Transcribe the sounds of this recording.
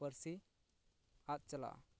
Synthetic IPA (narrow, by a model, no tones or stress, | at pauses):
əɾsi | at̪̚t͡ʃəla̰